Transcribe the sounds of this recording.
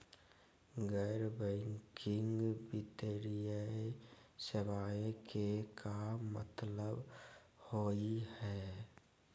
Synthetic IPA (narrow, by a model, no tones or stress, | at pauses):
ɡɛːɾbɛ̃ŋkʰɪ̃ŋɡbɪt̪əɾijə | səʋaːekʰekʰamə̰t̪ləb | hoːihɛː